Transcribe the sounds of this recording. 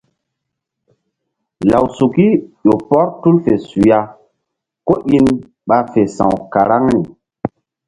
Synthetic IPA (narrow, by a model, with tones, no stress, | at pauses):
la˨wsu˨ki˦ʄo˨pɔ˦ɾtu˦lfe˨su˨ja˦ | ko˦ʔi˦n | ɓa˨fe˨sã̰˨wka˨ɾa˦ŋni˨